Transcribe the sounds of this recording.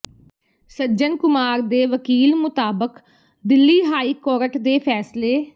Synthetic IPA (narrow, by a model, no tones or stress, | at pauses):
səd͡ʒənkʊmaːɾd̪eːʋəkiːlmʊt̪aːbək | d̪ɪlːiːɦaːiːkɔːɾəʈʰd̪eːpʰɛːsleː